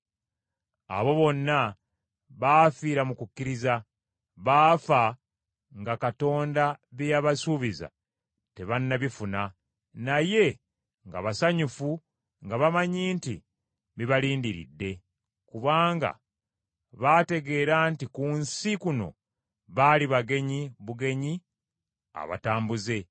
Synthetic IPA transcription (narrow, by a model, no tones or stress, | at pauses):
a̰βo̞βo̞nːa | βaːfiːɾamukukːiɾiza | βaːfa | ŋɡakato̞ːndaβjaβasuβiza̰ | te̞βanːaβifuna | naje̞ | ŋɡa̰βasaɲufu | ŋɡaβamaɲiːntḭ | βiβaliːndiɾḭdːe̞ | kuβaːŋɡa̰ | βate̞ɡe̞ːɾaːntikunsikuno̞̰ | βaliβaɡe̞ɲiβuɡe̞ɲi | a̰βa̰taːmbuze̞